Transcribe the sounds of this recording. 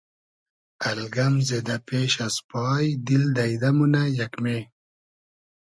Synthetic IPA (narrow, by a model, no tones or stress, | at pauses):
ɐlɡamzed̪apeːʃaspɑːjd̪ild̪ajd̪amunajakme